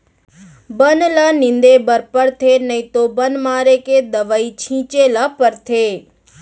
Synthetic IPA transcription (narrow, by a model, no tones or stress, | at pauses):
bənlaːnɪ̃nd̪ebəɾpəɽt̪ʰenəĩt̪obənmaːɾeked̪əʋait͡ʃʰĩːt͡ʃelapəɾt̪ʰeː